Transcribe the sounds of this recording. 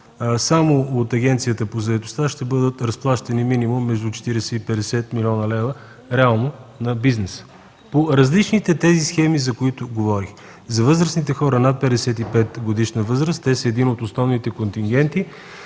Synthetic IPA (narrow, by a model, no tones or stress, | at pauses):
samoːt̪ɐɡʲɛnt̪sijət̪əpozɐɛt̪o̥st̪aʃt̪ɛbɤd̪ət̪ɾɐsplˠaʃt̪ɐniminimumːɛʒd̪ut͡ʃɛ̥t̪iɾɛsɛipɛd̪ɛsɛt̪milʲɔnəlɛvə | ɾɛalˠnonɐbiznɛsə̥ | poɾɐzlit͡ʃnit̪ɛt̪ɛzisxɛmizɐkoit̪ʊɡovɔɾix | zɐvɤzɾəsnit̪ɛxɔɾənat̪̚pɛd̪ɛsɛt̪ipɛt̪ɡod̪iʃnəvɤzɾəst̪ɛsəɛd̪inot̪osnɔvnit̪ɛkont̪iŋɡ̟ʲɛnt̪i